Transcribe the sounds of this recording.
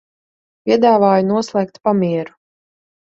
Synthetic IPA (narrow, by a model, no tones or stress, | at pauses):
pʲiɛd̪aːvaːjunuɔslˠɛk̚t̪pamiɛɾu̥